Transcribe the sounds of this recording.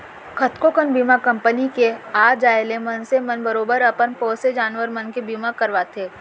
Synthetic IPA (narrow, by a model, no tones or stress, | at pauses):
kʰət̪kokənbiːmakɐ̃mpənikeaːd͡ʒaːjlẽmɐnsemɐnbɐɾoːbəɾɐpənpɔːsed͡ʒaːnʋəɾmɐnkebiːmakɐɾʋaːt̪ʰeː